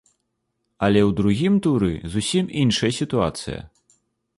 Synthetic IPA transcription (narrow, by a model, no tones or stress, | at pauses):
ɐlʲɛwd̪ɾuɣʲimt̪uɾɨ̰zusʲiminʂɐjɐsʲit̪ua̰t̪sɨjɐ̰